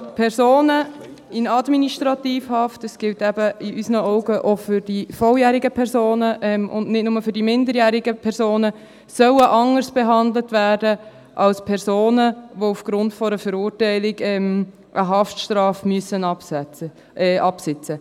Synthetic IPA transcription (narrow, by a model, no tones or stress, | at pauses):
pʰɛɾsoːnə | ɪnɑdminiʃtʁɑtiːfhɑftəsɡ̥ɪltɛbəiʔysnəɔʊɡəʔofʏɾdifɔljæːɾɪɡəpʰɛɾsoːnəʔɛmʊ̰ndnɪtnʊməfʏɾdimɪndəɾjæːɾiɡəpʰɛɾsoːnə | sœwəʔɑŋərsb̥ɛɦɑndlətvæːdə | ʔɑlspʰɛɾsoːnəʋoufɡ̥ɾʊntfɔɾəfəɾuːɾtɛɪlɪɡɛm | ʔəɦɑftʃtɾɑːfmøəsən | ʔɑpsɪt͡sə